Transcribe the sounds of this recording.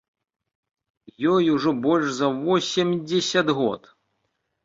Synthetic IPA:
jɔjuʐɔbɔlʲʂzɐvɔsʲimʲd͡zʲɛsʲɐd̪ɣɔ̰t̪

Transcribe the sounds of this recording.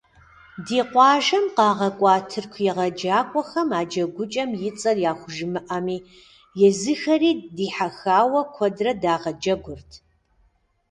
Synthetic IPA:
diːqʷɑːʒɐmqɑːʁɐkʷʼɑːtʰɨrkʷʰjɛʁɐd͡ʒaːkʷʼɔxɐmaːd͡ʒɐɡʷʊt͡ʃʼɐmjɪt͡sʼɐrjaːxʷʊʒɪmɨʔɐmiː | jɛzɨxɐɾiːdiːħaxaːwɐkʷʰɔdrɐdaːʁɐd͡ʒɐɡʷʊrtʰ

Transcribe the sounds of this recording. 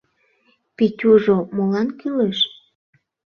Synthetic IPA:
pitʲuʒomolɑnkyleʃ

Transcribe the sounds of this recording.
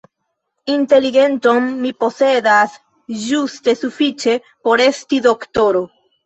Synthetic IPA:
inte̞liɡe̞nto̞mːipo̞se̞das | d͡ʒuste̞sufit͡ʃe̞ | po̞ɾe̞stido̞ktoɾo̞

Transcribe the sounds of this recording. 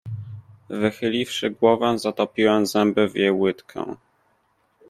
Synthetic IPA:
vɘxɘlʲifʂɘɡwɔvɛzat̪ɔpʲiwɛmzɛmbɘvjejwɘt̪kʰɛ̰̃

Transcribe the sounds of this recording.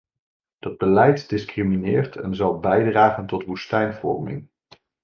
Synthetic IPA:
d̥ɑd̚bəlɛjtdɪskriminɪːɹtʰɛ̰nzɑlˠbɛjdraːχəntɔtʋustɛjnvɔ̰rmɪ̰ŋ

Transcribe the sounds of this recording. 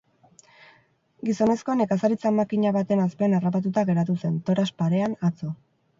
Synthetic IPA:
ɡiso̞ne̞sko̞ne̞kasaɾit͡samakiɲaβat̪enaspe̞ːnarapat̪̬ut̪aɣe̞ɾat̪use̞nt̪o̞ɾaspaɾe̞anat͡so

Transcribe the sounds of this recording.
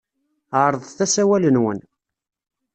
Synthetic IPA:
ʕəɾˤəðˤθæsæwælənwən

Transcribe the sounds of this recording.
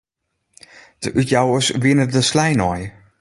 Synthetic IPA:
d̥əʔytjawəsʋɪnədəslɛjnɔj

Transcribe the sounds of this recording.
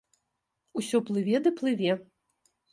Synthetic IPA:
usʲɔplˠɨvʲɛd̪ɨplˠɨvʲɛ

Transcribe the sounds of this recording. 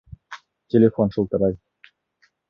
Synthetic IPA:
tʲelʲefonʃulˠt̪ɤ̆ɾɑj

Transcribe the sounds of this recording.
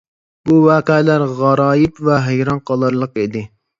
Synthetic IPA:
buwɑːqɛːlæɾʁɑɾɑːjɪpvɛɦejɾɑnqʰɑlˠɑɾlˠəqed̪ɪ

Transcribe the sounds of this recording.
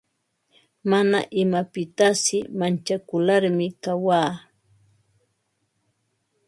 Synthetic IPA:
mana̰ʔɪmapɪt̪asɪmant͡ʃakʊlaɾmɪkawaː

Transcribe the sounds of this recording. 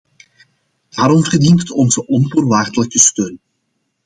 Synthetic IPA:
d̥aːɾɔmɣərdinttɔnzəʔɔnvoːrʋaːrd̪ələkəstøːn

